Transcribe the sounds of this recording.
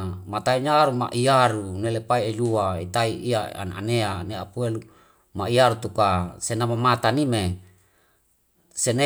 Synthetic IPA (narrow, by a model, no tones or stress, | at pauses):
mat̪aiɲaɾuma̰ʔiaɾunelepaied͡ʒuait̪aiiaa̰na̰neaneapuelu | maiaɾut̪ukasenamamat̪anime | sene